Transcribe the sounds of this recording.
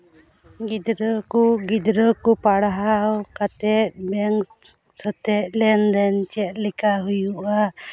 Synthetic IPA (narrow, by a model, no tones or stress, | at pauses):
ɡid̪ɾəkuɡid̪ɾəkupaɽaɦawkat̪ɛt̪̚bɛŋ | sət̪ɛt̪̚lɛnd̪ɛnt͡ʃɛt̪̚ˀlikaɦujuʔa